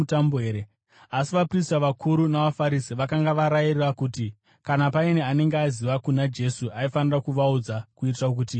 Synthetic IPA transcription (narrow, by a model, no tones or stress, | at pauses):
utamboɦeːɾe | asiʋapristaʋakʰuɾunaʋafaɾisiʋakaŋɡaʋaɾajirirakuːti | kanapaineane̞ŋɡeaziʋakunad͡ʒe̞suaifanirakuʋaud͡zakuitirak̬uti